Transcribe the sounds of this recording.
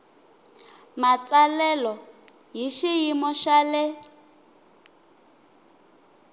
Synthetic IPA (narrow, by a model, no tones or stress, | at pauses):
mat͡salɛlɔ | ɦiʃijimɔʃale